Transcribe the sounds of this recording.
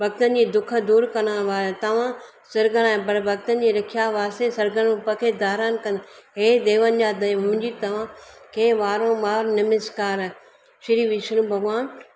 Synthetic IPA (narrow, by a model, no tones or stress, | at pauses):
bʱɐɡ̚t̪ənd͡ʑiːd̪ʊkʰə̆d̪uːɾkɐɽ̃ãːʋaːet̪ɐʋ̤ã | sɐɾɡəl̃ãːbɐɾbʱɐɡt̪ən̆d͡ʑiːɾɐkʰijaːʋaːsẽsɐɾɡəɽ̃pɐkʰed̪aːɾaːnkɐ̃nd̪ɦeːd̪eːʋənɪ̆d͡ʑaːd̪ɐj̃ʊmɪ̃ɲd͡ʑit̪ɐʋ̤ãkẽːʋaːɾõːmaːɾnɪmɪskaːɾ | ʃɪɾiːʋiʃənũbʱɐɡʋaːn